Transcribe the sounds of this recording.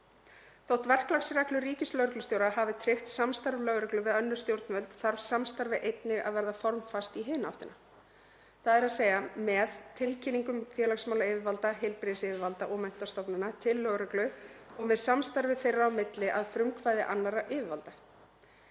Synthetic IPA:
θowht̪vɛr̥klaksraklʏriːcɪslœɣɾʏklsjowɾaɦavɪt̪ʰɾɪft̪samst̪aɾvlœɣɾɛklʏvɪðœnːʏ̥st̪jowɾt̪nvœlt̪θaɾv̥samst̪aɾvɪʔejt̪nɪɣa̰ðvɛɾðafɔɾmfast̪iɦeːnaaft̪ɪna | θaðɛɾaðseːjɣamɛðt̪ʰɪlcʰɪniŋkʏmfjɛːlaksmawlaɪːvɪvalt̪aɦelpɾɪðɪsɪːvɪvalt̪aʔɔmɛn̥t̪ast̪ɔpnɪnat̪ʰɪlːœɣɾœklʏɔɣmɛðsamst̪aɾvɪθejrːaːwmɪt̪lɪʔaðfɾʏmkʰvaːjðɪʔanːaɾaʔɪːvɪvalt̪ḁ

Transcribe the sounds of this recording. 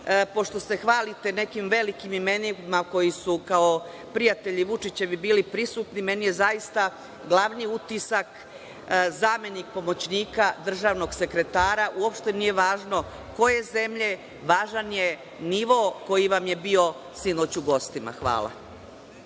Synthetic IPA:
po̞ʃt̪o̞se̞xʋaːlit̪e̞ne̞kimʋe̞likimimenimako̞jisukao̞ | pɾijat̪e̞ʎiʋut͡ʃit͡ɕe̞ʋibiːlipɾisuːt̪nime̞nije̞zajist̪a | ɡlˠaʋniut̪isak | zame̞nik̚po̞mo̞t͡ɕniːkad̪r̩ʒaːʋno̞ɡse̞kɾe̞t̪aːɾaʔuopʃt̪e̞nijeʋaːʒno̞ | ko̞je̞ze̞mʎe̞ | ʋaːʒanje | niʋo̞ko̞jiʋamje̞bio̞ | sino̞ːt͡ɕuɡo̞st̪ima̰xʋa̰ːla̰

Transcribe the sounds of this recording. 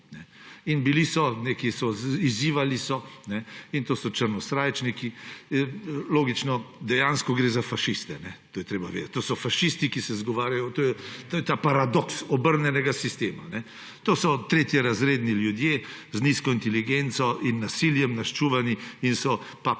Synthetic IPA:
nɛinbilisɔneːkisɔiziːʋalisɔnɛint̪oːsɔt͡ʃəɾnɔst̪ɾaːjt͡ʃniki | loːɡit͡ʃnɔd̪ɛjaːnskɔɡɾeːzafaʃist̪ɛnɛt̪oːjɛt̪ɾeːbaʋḛːd̪ɐt̪ʲt̪ːosɔfaʃist̪ikisɛzɡɔʋaːɾjajɔt̪oːjɛt̪oːjɛt̪aːpaɾad̪ɔksɔbəɾnjɛnɛɡasist̪eːmanɛ | t̪oːsɔt̪ɾeːt̪jɛɾazɾeːd̪niljud̪jeː | zniskɔint̪ɛliɡent̪sɔʔinːasiljɛmnaʃt͡ʃuːʋaniinsɔ | pa

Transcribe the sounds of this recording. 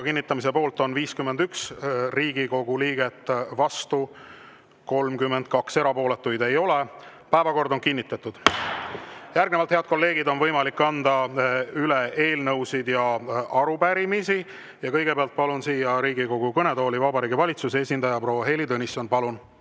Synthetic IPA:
ɑkinʲːit̪ːˑɑmis̬e̞po̞ːlt̪ˑo̞nviːskymːend̪yksriːɡiko̞ɡ̥uliːɡe̞t̪ˑːvɑst̪u | ko̞lmkymːend̪̥̚kɑkse̞ɾɑpo̞ːle̞t̪ːujd̪e̞jo̞le | pæevɑko̞rd̪o̞nkinʲːit̪ːˑɑt̪ːˑud̪̥ | jærɡne̞vɑlt̪he̞ɑd̪̥̚ko̞lːe̞ːɡ̥id̪o̞nvɤjmɑlikːɑnd̪̥ɑylee̞ːlnɤwsid̪̥jɑɑɾupæɾimisi | jɑkɤjɡ̥e̞peɑlt̪̚pɑlunsiːjɑɾiːɡiko̞ɡ̥ukɤne̞d̪o̞ːlivɑbɑɾiːɡivɑlʲit̪suseesʲind̪ɑjɑpro̞ːwːɑɦe̞lid̪ɤnisonpɑlun

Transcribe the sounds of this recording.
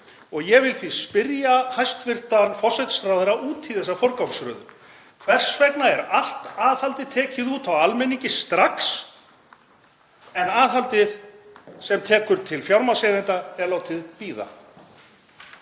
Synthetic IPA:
ɔɣjɛɣvɪlθvispɪɾjahajst̪vɪr̥t̪anfɔrsɛt̪st̪ɾaːðɪɾaʔuːt̪ʰiðθɛsːafɔɾkawmsɾœ̰ːðʏ̰m | kʰvɛr̥sfɛknaɛɾal̥t̪aːðhalt̪ɪt̪ʰɛːcɪðuːt̪ʰawalmɛniɲcɪst̪ɾaks | ɛnaːðɦalt̪ɪð̥sɛmt̪ʰɛːkʏɾt̪ʰɪlfjawɾmasɛðɪnt̪aɛɾlaːwt̪ʰɪðpiːða̰

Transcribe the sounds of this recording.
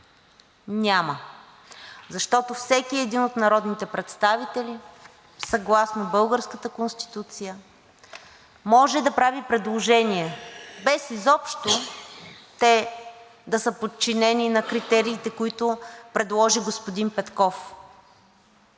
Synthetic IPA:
nʲamə | zɐʃt̪ɔt̪ofsɛkiɛd̪inot̪nɐɾɔd̪nit̪ɛpɾɛt̪st̪avit̪ɛli | sɐɡlˠasnobɤlˠɡəɾskət̪əkonst̪i̥t̪ut̪sijə | mɔʒɛd̪ɐpɾavipɾɛd̪lˠoʒɛnʲiɛbɛsizɔpʃt̪o | t̪ɛ | d̪ɐsəpot̪̚t͡ʃinɛninɐkɾit̪ɛɾiːt̪ɛkoit̪ʊpɾɛd̪lˠɔʒiɡospod̪inpɛt̪kɔf

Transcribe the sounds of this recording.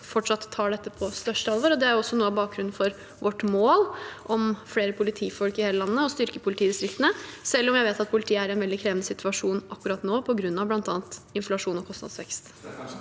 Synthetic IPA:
fɔʈʂɑt̪ʰːɑːɖɛt̪ːəpʰɔst̪œʂʈəɑlʋoːɾɔd̪ɛæɾjʊɔsːɔnuːəɑʋbɑːk̚ɡɾʉnːn̩fɔɾ | ʋɔʈːmoːlʔɔmfleːɾəpʰʊlɪt̪ʰiːfɔlkɪheːləlɑnːəɔst̪ʏɾkəpʰʊlɪt̪ʰiːd̪ɪst̪ɾɪkt̪ənəsɛlːɔmjæɪʋeːt̪ɑt̪̚pʰʊlɪt̪ʰiːəæɾɪɛnʋɛld̪ɪkʰɾeːʋnəsɪt̪ʰʉɑʂuːnʔɑkːʉɾɑt̪noːpʰɔɡɾʉnːɑʋblɑnt̪ɑːnt̪ɪnflɑʂuːnɔkʰɔst̪ɑ̰d̪sʋɛkst̪

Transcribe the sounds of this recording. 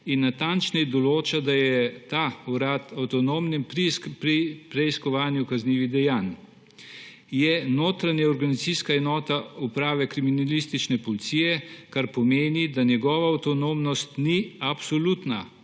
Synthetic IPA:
inːat̪ant͡ʃnɛjd̪ɔloːt͡ʃad̪ajɛt̪auɾaːt̪awt̪ɔnoːmnimpɾipɾipɾɛiskɔʋaːnjukazniːʋiɣd̪ɛjaːn | jɛnoːt̪ɾanjɛɔɾɡanisiskaɛnɔːt̪aupɾaːʋɛkɾiminalist̪it͡ʃnɛpɔlit̪sijɛkaɾpɔmeːnid̪anjɛɡɔːʋaːwt̪ɔnoːmnɔst̪niapsɔlut̪na̰

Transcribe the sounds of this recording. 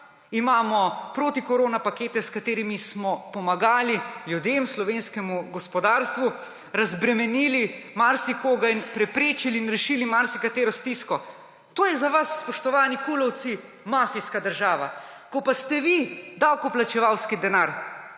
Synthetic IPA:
imaːmɔpɾoːt̪ikɔɾoːnapakeːt̪ɛskat̪eːɾimismɔpɔmaɡaːliljud̪emslɔʋenskɛmuɡɔspɔd̪aːɾst̪ʋu | ɾazbɾɛmɛniːlimaɾsikoːɡainpɾɛpɾeːt͡ʃiliːnɾɛʃiːlimaɾsikat̪eːɾɔst̪iskɔ | t̪oːjɛzaʋasːpɔʃt̪ɔʋaːnikulɔwt̪si | maːfiskad̪əɾʒaːʋa | kɔpast̪ɛʋid̪awkɔplat͡ʃɛʋawskid̪ɛnaɾ

